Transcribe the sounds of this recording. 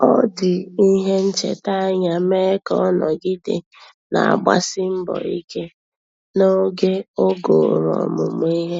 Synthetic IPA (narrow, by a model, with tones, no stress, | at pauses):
ɔ˦dɪ˨i˦ɦe˦n̩˦t͡ʃḛ˨ta˦ɲa˨me˦kɔ˦nɔ˨ɡɪ˦dḛ˨ | na̰˨a̰˨ɡ͡ba̰˦sɪ˦m̩˦bɔ̰˨i˦ke˦ | no˦ɡe˦o˦ɡo˨ɾɔ̰˨mʊ˨m˦i˦ɦe˦